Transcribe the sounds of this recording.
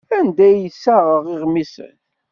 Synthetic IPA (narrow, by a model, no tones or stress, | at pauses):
ænd̪æjəsːaʁəʁɪʁmisə̰n